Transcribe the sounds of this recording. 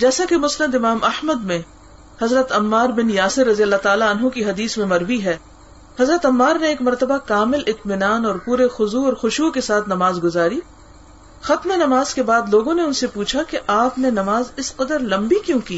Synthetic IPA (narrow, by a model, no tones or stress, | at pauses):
d͡ʒɛːsakemʊsləmd̪ɪmaːmɐhməd̪mẽ | hɐzɾət̪ɐmːaːɾbɪnjaːsɪɾːɐzijəlːat̪aːlaɐnɦũkiɦɐd̪iːsmẽmɐɾbiɦɛː | hɐzɾət̪ɐmːaːɾneeːkmɐɾt̪əbakaːmɪlʔɪt̪mɪnaːnɔːɾpuːɾexʊzuɔːɾxʊʃukesaːt̪ʰnɐmaːzɡʊzaːɾiː | xɐt̪menɐmaːzkebaːd̪loːɡõneʊnsepuːt͡ʃʰakeʔaːpnenɐmaːzɪsqɐd̪əɾlɐ̃mbikjũːkiː